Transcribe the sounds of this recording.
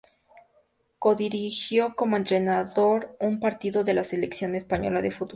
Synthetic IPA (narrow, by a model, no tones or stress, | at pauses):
ko̞ðiɾixjo̞ko̞mo̞e̞nt̪ɾe̞naðo̞ɾumpaɾt̪iðo̞ðe̞lase̞leksjo̞ne̞spaɲo̞̰laðefut̪b